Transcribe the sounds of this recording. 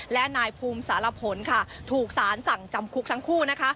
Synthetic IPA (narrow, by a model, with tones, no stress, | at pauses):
lɛ˦˥ʔnaː˧jpʰuː˧msaː˩˦la˧pʰo˩˦nkʰa˥˩t̪ʰuː˨˩k̚saː˩˦nsa˨˩ŋt͡ɕa˧mkʰu˦˥k̚t̪ʰa˦˥ŋkʰuː˥˩na˦˥kʰa˦˥